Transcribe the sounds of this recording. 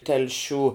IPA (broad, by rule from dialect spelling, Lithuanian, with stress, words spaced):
tʲɛlʲˈʃʲuː